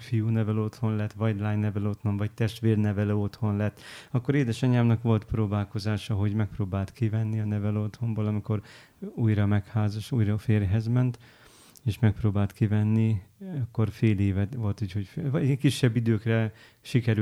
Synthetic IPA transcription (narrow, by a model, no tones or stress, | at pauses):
fijuːnɛvɛlo̞t̪ho̞nlɛt̪ːʋɒjd̪laːjnɛvɛlo̞t̪ho̞nvɒc̚t̪ɛʃt̪ʋeːrnɛvɛlɛot̪ho̞nlɛt̪ːɒkːo̞ɾeːd̪ɛʃɒɲaːmnɒkʋo̞lt̪proːbaːlko̞zaːʃɒɦo̞ɟmɛk̚proːbaːlt̪kivɛnːiɒnɛvɛlo̞t̪ho̞mboːlɒmiko̞ɾ | uːjɾɒmɛkhaːzɒʃuːjrɒfeːrɦɛzmɛnt̪ | eːʃmɛk̚proːbaːlt̪kivɛnːiɒkːo̞rfeːleːvɛt̪ʋo̞lt̪uːcho̞cfvɒkiʃːɛbːid̪øːkrɛ | ʃikɛɾy